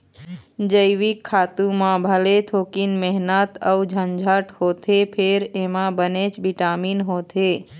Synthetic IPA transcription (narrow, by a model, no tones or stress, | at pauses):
d͡ʒəɪʋikʰːaːt̪ũmãbʱəlet̪ʰoːkinmɛɦnət̪əud͡ʒʱənd͡ʒʱəʈhoːt̪ʰepʰeɾemãbənet͡ʃbiʈaːminɦoːt̪e